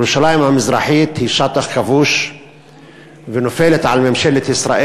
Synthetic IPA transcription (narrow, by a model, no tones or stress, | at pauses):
ɾuʃalajɪmamɪzɾˤɑ̰ħiːt̪hiːʃɑt̪ˤɑxkavuːʃ | vɪnofeːlet̪ʕalmemʃelet̪ʔɪsɾaːʔe